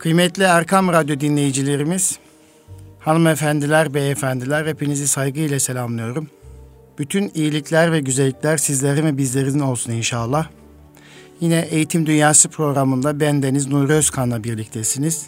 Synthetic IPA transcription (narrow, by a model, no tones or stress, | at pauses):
kʰɯjmɛt̪lʲiæɾkʰamɾad̪jo̞d̪inlʲe̞jid͡ʒilʲe̞ɾimiz̥ | hanɯmefænd̪ilʲæɾbɛːfænd̪ilʲæɾepʰinizisajɡɯilʲɛse̞lʲamlˠɯjo̞ɾum | b̥yt̪ʰynijilʲiclʲæɾvɛɟyzelʲːicʲlʲæɾsizlʲeɾimɛbizlʲe̞ɾinino̞lˠsuninʃaːlˠːa | jinɛʔejit̪ʰimd̪ynjaːsɯpʰɾo̞ɡɾamɯnd̪abænd̪e̞niznuɾøzkʰanlˠabiɾlʲic̚t̪ʰɛsiniz̥